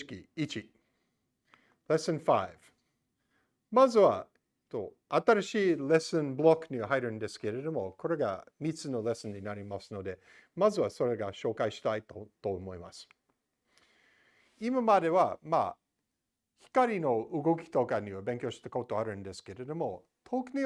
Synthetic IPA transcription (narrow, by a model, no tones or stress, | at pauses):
kʲiit͡ʃi | le̞sɨ̃nfaɪv̥ | mazɨβa | et̪o̞ | at̪aɾaɕiːle̞sɨ̃nblokɲiaɦajɾɯ̃nd̪e̞sɨ̥ke̞ɾe̞d̪o̞mo̞ko̞ɾe̞ɡa̰mit͡sɨno̞le̞sɨ̃ɲɲinaɾʲimasɨno̞d̪e̞ | mazɨβaso̞ɾe̞ɡaɕo̞ːkaiɕi̥t̪ait̪ot̪oːmo̞ima̰sɨ̥ | imamad̪e̞βama̰ | çi̥kaɾʲino̞ɯɡo̞kʲi̥t̪o̞kaɲiβabẽŋkʲo̞ːɕi̥t̪ako̞t̪o̞aɾɯ̟̃nd̪e̞sɨ̥ke̞ɾe̞d̪o̞mo̞ | t̪ʰokɯni